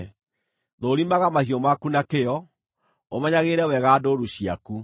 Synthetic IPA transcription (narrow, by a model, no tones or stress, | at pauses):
ðoɾimaɣamahiɔmakunakeɔ | omɛɲaɣeːɾɛwɛɣaːdoːɾuɕiaku